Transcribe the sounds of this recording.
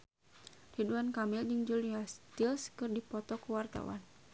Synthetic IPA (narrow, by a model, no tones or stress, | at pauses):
riduankamild͡ʒɨŋd͡ʒuliast̪ilskɨrdipɔt̪ɔkuwart̪a̰wa̰n